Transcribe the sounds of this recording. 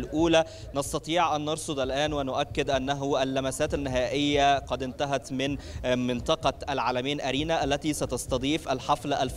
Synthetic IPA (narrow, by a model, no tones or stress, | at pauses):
lʔuːlæ | nɑsˤt̪ɑt̪ˤiːʕʔænːɑɾˤsˤod̪ˤælʔæːnwɪnʊʔækːɪd̪ʔænːæɦʔælːæmæsæːt̪ænːɪɦæːʔɪjːæqɑd̪ɪnt̪æɦæt̪mɪnmɪnt̪ˤɑqɑʔælʕaːlæmejːlʔæɾiːnæʔælːæt̪iːsæt̪ɑsˤt̪ɑd̪ˤiːfʔælħɑflæʔælf